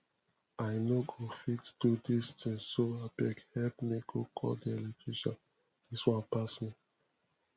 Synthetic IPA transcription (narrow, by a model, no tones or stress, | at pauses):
aɪnoɡofitd̥udistĩŋsoabɛkhɛp̚miɡokʰɔ̰ldiɛlektʰɹiʃɔ̰̃n | d̥iswãnpasmi